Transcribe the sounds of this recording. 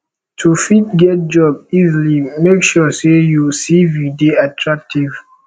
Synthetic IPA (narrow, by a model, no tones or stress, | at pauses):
tʰufit̚ɡɛt̚d͡ʒɔbizlimekʃɔsejusivideatʰɹak̚tiv